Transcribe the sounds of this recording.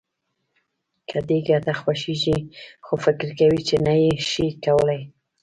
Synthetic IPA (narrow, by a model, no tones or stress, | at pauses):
kʰad̪eɡat̪axwaʃiʒixofɪkɾkawit͡ʃenajeʃikawəlaj